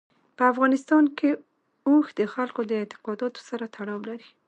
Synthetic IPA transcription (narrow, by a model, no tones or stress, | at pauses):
pəafɣɑnɪst̪ɑnke | oxd̪əxalkod̪əɪt̪ɪ̥qɑd̪ɑt̪o̥saɾat̪ʰaɽɑwlaɾi